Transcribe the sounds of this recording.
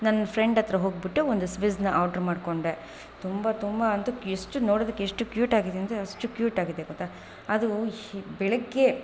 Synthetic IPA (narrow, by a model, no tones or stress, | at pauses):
nɐnːɐfʰɾeɳɖɐt̪ɾɐɦoːɡ̚biʈːuond̪usʋiznɐʔɐːɖɐɾmaːɖko̞ɳɖe | t̪umbɐt̪umbɐɐnt̪ueʂʈunoːɽoːd̪ɐkːeːʂʈukjuːʈaːɡid̪eɐnd̪eɐʂʈukjuːʈaːɡid̪ːeɡot̪ːa | ɐd̪ubɛɭɐɡːe